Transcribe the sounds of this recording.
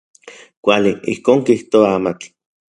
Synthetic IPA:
kʷaliḭhkoːŋkiht̪oaamat͡ɬ

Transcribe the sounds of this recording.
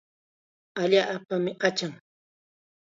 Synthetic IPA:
aʎaʔpamɪqɑt͡ʃaŋ

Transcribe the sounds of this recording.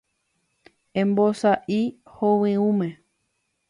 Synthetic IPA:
ẽmbosaʔihowɨ̃ũmẽ

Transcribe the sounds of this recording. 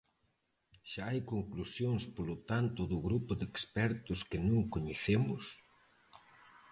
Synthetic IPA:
ʃaajkoŋklusjoŋspolot̪ant̪ʊðʊɣɾupʊðekspɛɾt̪ʊskɪnũŋkoɲeθemʊs

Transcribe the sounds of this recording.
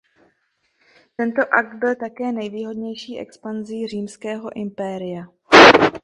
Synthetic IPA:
t̪ɛnt̪o̞ʔak̚d̪̚bɪlt̪akɛːnɛjviːɦo̞dɲɛjʃiːʔɛ̰kspanziːr̝iːmskɛːɦo̞ʔɪmpɛːɾɪja

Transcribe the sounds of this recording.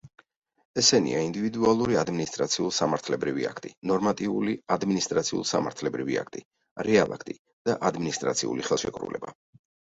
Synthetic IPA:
ɛsɛnḭaind̪ivid̪ualˠuɾiad̪minist̪ʼɾat̪sʰiulˠsamaɾt̪ʰlɛbɾivḭa̰kʰt̪ʼinɔɾmat̪ʼiuliad̪minist̪ʼɾat̪sʰiṵlˠsamaɾt̪ʰlɛbɾivḭa̰kʰt̪ʼi | ɾɛalˠa̰kʰt̪ʼi | d̪̥aʔad̪minist̪ʼɾa̰t̪sʰiṵliχɛlˠʃɛkʼɾṵlɛ̰ba

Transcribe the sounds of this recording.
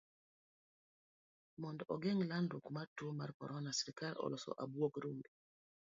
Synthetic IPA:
mɔndɔʔɔɡɛŋlandukmatumaɾkɔ̰ɾɔnasɛɾikalɔ̰lɔsɔ̰ʔabwokɾumbi

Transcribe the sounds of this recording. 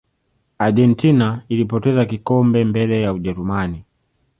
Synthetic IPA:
aʄɛntinailipɔtɛzakikɔmbɛmbɛlɛjauʄɛɾumani

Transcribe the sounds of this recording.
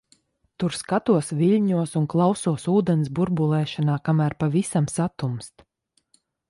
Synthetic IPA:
t̪uɾskat̪uɔsviʎʲɲuɔsunklˠawsuɔsuːd̪ɛns̬buɾbulˠɛːʃanaːkamæːɾpavisamsat̪umst̪

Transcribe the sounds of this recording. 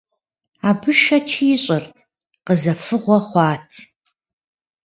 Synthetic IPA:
aːbɨʃɐt͡ʃʰiːɕʼɐrtʰ | qəzɐfɨʁʷɔχʷɑːtʰ

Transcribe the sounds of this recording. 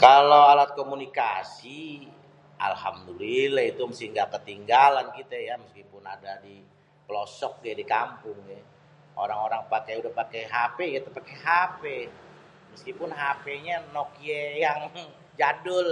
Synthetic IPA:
kalowalat̪̚komunikasi | ʔa̰lha̰mdulilait̪uməsihŋɡakət̪iŋɡalankit̪ɛjaməskipʊnadadi | pəlɔsɔk̚ɡɛdikampʊŋɛ | o̰ɾaŋoɾaŋpakejudahpakɛjɦapeɡɛt̪pakeɦape | məskipʊnɦapeɲanɔkjejaŋ | d͡ʒadʊl

